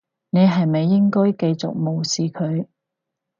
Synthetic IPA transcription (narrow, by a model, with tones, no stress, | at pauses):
ne˨˧jɦɐ˨jmɐ˨jːɪ˥ŋkɔː˥jke˧jt͡sʊ̰˨k̚mo˨˩wsiː˨kʰɵ˨˧ɥ